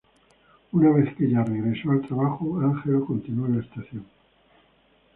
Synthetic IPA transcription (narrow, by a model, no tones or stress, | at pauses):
unaβ̞e̞θkeʎareɣɾesoalt̪ɾaβaxoaŋxeloko̞nt̪inuoenlaest̪aθjoŋ